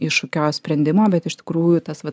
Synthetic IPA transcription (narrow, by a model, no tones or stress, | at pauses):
ɪʃokʲoːsʲpʲɾʲɛnʲd̪ʲɪmoːbʲɛt̪ɪʃt̪ʲɪ̥kɾuːjʊt̪ɐsʋɐ